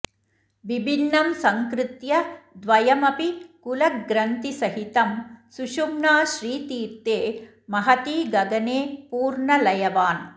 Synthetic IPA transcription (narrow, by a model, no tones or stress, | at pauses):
ʋibʱinːɐmsɐŋkɾɪt̪jɐd̪ʋɐjɐmɐpikulɐɡɾɐnt̪isɐɦit̪ɐmsuʃumnaːʃɾiːt̪iːɾt̪ːeː | mɐɦɐt̪iːɡɐɡɐneːpuːɾɳɐlɐjɐʋaːn